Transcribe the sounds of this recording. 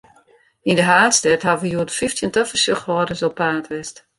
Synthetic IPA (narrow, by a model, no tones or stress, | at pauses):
indəɦaːtstɛthaʋəjuətfiftjəntøfəsøxrɔədəsɔpaːtʋɪst